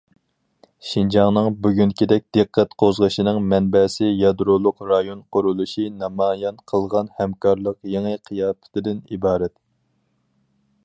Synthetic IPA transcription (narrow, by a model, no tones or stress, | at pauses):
ʃind͡ʒɑŋnɨŋbyɡʲynkʲʰid̪ɛk̚ʲd̪̥ɨqʰːɛt̪qʰozʁəʃinɨŋmɛnbɛsɪjɑd̪ɾolˠʊqɾɑjonqʰʊɾulˠuʃinɑmɑːjɑnqʰəlˠʁɑnhɛmkʰɑɾlˠəqjeŋɨqʰijɑːpɪ̥t̪ʰɪd̪ɪnibɑːɾɛt̪